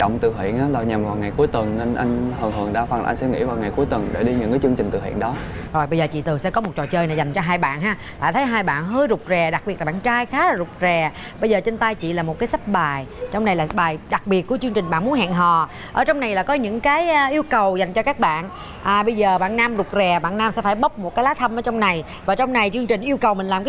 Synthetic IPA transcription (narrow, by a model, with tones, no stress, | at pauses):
t͡ɕɔ̰˧˨wŋ͡mt̪ɨ˧˨˩ɦḭ˧˨ənʔaː˨˧laː˧˩ɲa˨˩mvaː˨˩wŋa˨˩jku˨˦əjt̪wə˨˩nne˧nʔa˧jŋhəː˨˩ŋɦɨ˨˩əŋɗaː˧fa˨˧˩nʔa̰˧ŋ̟sɛ̰˧˥ŋḭ˧˥vaː˨˩wŋa˨˩jku˨˦jt̪wə˨˩nɗe˧˩ɗi˧ɲɨ̰˧˥ŋkaː˨˦jt͡ɕɨ˧əŋt͡ɕï˨˩ŋ̟t̪ɨ̰˧˩hwḭ˧˨ənɗɔ˨˦zo˨˩jɓə˧jzəː˨˩t͡ɕḭ˧˨t̪ɨ˨˩əŋsɛ̰˧˥kɔ˨˦mo˨˩t̚t͡ɕɔ̰˧˨t͡ɕəː˧jna˧˩za˨˩ŋ̟t͡ɕɔ˧ɦaː˧jɓa̰ː˧˨nɦaː˧ | t̪a̰ː˧˨˩t̪ʰə˨˦jɦaː˧jɓa̰ː˧˨nɦəː˧jzʊ˨˩k͡p̚zɛ˨˩ɗa˨˩k̚ɓi˨˩t̚lːɓaː˧˨t͡ɕaː˧jxaː˦˥laː˨˩zʊ˨˩k͡p̚zɛ˨˩ | ɓə˧jzəː˨˩t͡ɕe˧nt̪aː˧jt͡ɕḭ˧˨laː˨˩mo˨˩t̚kaː˨˦sa˦˥p̚ɓaː˨˩jt͡ɕɔ˧wŋ͡mna˨˩jlaː˨˩ɓaː˨˩jɗa˨˩k̚ɓi˨˩ət̚kət͡ɕɨ˧əŋt͡ɕï˨˩ŋ̟ɓa̰ː˧˨nmu˨˦nhɛ̰ː˧˨nɦɔ̰˧˨˩ | ʔəː˧˩t͡ɕɔ˧wŋ͡mna˨˩jlaː˨˩kɔ˨˦ɲɨ̰˧˥ŋkaː˨˦jʔi˧əwkə˨˩wza˨˩jŋ̟t͡ɕɔ˧kaː˦˥k̚ɓa̰ː˧˨n | ʔaː˨˩ɓə˧jzəː˨˩ɓa̰ː˧˨naː˧mzʊ˨˩k͡p̚zɛ˨˩ɓa̰ː˧˨naː˧msɛ̰˧˥faː˧˩jɓə˦˥wk͡p̚mo˨˩t̚kaː˨˦jlaː˨˦˥t̪ʰə˧mʔəː˧˦t͡ɕɔ˧wŋ͡mna˨˩j | vaː˨˩t͡ɕɔ˧wŋ͡mna˨˩jt͡ɕɨ˧əŋt͡ɕï˨˩ŋ̟ʔi˧əwkə˨˩wmï˨˩ŋ̟laː˨˩mkaː˨